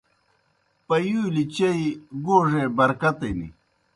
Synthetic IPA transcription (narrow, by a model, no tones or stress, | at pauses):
pɐjuːlit͡ɕɐiɡoːʐebɐɾkɐt̪ɐnḭ